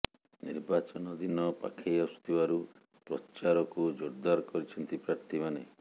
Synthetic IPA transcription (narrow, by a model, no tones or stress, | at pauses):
nḭɾbat͡ʃɔnɔd̪inɔpa̰kʰejɔsu̥t̪ʰibaɾu | pɾɔ̰t͡ʃaɾɔkud͡ʒoɾd̪aɾɔkɔɾit͡ʃʰɔnt̪ipɾaɾt̪ʰimane